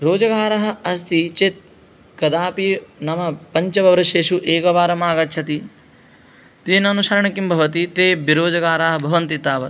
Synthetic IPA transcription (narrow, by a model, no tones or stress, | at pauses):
ɾoːd͡ʒɐɡaːɾɐɦɐ̆ɐst̪it͡ʃet̪̚ | kɐd̪aːpinɐmɐpɐɲt͡ʃɐbʱɐʋɾɐʃeːʃuʔeːkɐʋaːɾɐmaːɡɐtʃʰɐt̪i | t̪iːnɐnuʃɐːɾɐɳɐkimbʱɐʋɐt̪it̪eːbiɾoːd͡ʒɐɡaːɾaːɦɐbʱɐʋɐnt̪it̪aːʋɐ